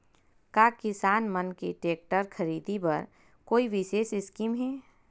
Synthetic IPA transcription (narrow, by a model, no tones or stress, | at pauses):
kaːkɪsaːnmənkeʈeːk̚ʈəɾkʰəɾiːd̪ipɐɾ | koːiʋɪseːsɪskiːmɦɛː